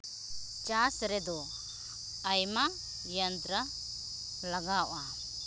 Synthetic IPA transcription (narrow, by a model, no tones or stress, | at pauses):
t͡ʃasɾɛd̪ɔː | jma | jənt̪ɾa | laɡawʔa